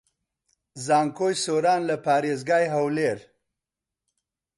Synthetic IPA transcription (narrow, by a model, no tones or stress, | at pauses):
zɑːŋkojsoɾɑnlapɑːɾezɡɑjɦawleɾ